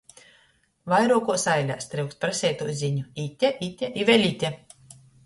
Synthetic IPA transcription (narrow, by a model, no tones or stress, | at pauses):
vajɾuɔkuɔsajlʲa̰ːst̪ɾɨwkspɾasʲɛːjt̪uːzʲiɲuit̪ʲːɛʔit̪ʲɛʔivʲɛlʲit̪ʲɛ